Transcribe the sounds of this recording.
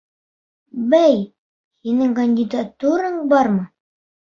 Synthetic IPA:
bæj | hinɘŋkɐnʲdʲɪd̪at̪uɾɤɴbɑɾmɤ

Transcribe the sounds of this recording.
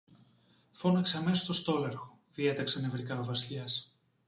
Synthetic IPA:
fo̞nɐkseɐme̞sost̪ost̪o̞leɾxo̥ðie̞t̪ɐksɐnevɾikɐovɐsʎɐs

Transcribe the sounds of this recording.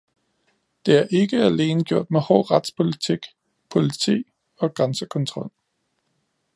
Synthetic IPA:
d̥e̝æɐʔe̝ɡ̥əæle̝ːnəɡ̥jo̝ɐ̰d̥mehɒ̰ːʁad̥spʰo̝lit͡sʰiɡ̥ | pʰo̝lit͡sʰḭː | ɒ̽ɡ̥ʁansəkʰɔ̽nt͡sʰʁɒ̽l̰

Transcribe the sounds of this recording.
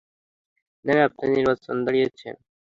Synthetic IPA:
nɛnap̚neniɾbat͡ɕond̪aɽijet͡ɕʰḛn

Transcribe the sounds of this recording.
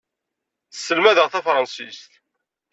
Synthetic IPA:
θəsːəlmæðəʁθæfɾˤɑnsist̪

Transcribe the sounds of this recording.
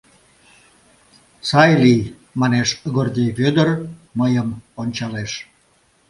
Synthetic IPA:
sɑjlij | mɑneʃɣord̪ʲejβød̪ərməjəmonʲt͡ɕɑleʃ

